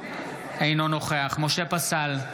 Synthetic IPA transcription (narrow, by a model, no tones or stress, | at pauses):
einono̞χeaχmo̞ʃe̞pasal